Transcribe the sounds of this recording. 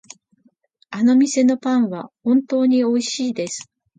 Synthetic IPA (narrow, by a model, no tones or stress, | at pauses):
ano̞mʲise̞no̞pãɰ̃βahõ̞nt̪o̞ːɲ̟io̞iɕiːd̪e̞sɨ̥